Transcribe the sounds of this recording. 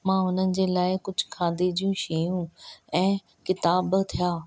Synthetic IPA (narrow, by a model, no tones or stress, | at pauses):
mãːɦʊnənɪ̆d͡ʑeːlaːɪkʊd͡ʑʱʊkʰãːnd̪id͡ʑijũʃijũːɛ̃ː | kɪt̪aːbt̪ʰijaː